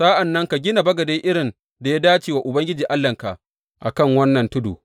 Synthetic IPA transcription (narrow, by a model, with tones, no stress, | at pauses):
saː˦ʔa˨nːɐ˦ŋka˨ɡʲɪ˦na˨bɐ˦ɡɐ˨de˦ʔɪ˦ɽɪ˨n | da˨ja˦daː˦t͡ʃiː˨wa˨ʔʊ˨bɐ˦ŋɡʲɪ˦d͡ʒiː˨ʔa˦lːɐ˨ŋka˨ʔ | ʔa̰˨kɐ˦˨ŋwɐ˦nːɐ˨ntʊ˦dṵ˨